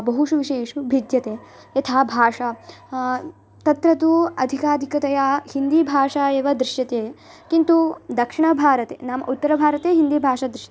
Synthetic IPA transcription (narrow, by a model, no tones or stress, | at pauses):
bɐɦuʃuʋiʃeːʂubʱid̪jɐt̪eː | jɐt̪ʰaːbʱaːʂɐ | t̪ɐt̪ɾɐt̪uɐd̪ʱikaːd̪ʱikɐt̪ɐjahind̪iːbʱaːʂaːeːʋɐd̪ɾɪʃjɐt̪eː | kint̪ud̪ɐkʂiɳɐbʱaːɾɐt̪ḛːnaːmɐ̰ʔut̪ːɐɾɐbʱaːɾɐt̪eːɦind̪iːbʱaːʂad̪ɾɪʃjɐt̪e